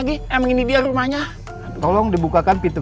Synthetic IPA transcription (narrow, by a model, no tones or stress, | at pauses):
ɡiaməŋinidiarumahɲa | t̪ɔlɔŋdibukakanpit̪u